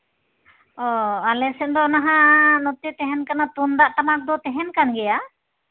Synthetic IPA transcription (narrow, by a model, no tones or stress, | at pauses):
ɔalɛsɛnd̪ɔɔnaɦãnɔt̪ɛt̪ɛɦɛnkanat̪und̪aʔtamak̚d̪ɔt̪ɛɦɛnkanɡɛja